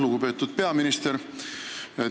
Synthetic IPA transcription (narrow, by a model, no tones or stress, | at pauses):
luɡupe̞ːt̪ːud̪̥̚pe̞ɑminist̪eɾ